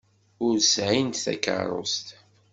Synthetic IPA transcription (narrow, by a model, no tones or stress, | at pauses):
ʊɾsʕint̪θæ̰kə̰ɾˤo̰st̪